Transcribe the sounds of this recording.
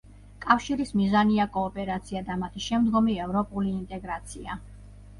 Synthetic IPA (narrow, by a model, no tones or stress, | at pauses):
kʼafʃiɾismizaniakʼɔːpʼɛɾat̪sʰiad̪amat̪ʰiʃɛmd̪ɡɔmiɛvɾɔpʼuliːnt̪ʼɛɡɾat̪sʰia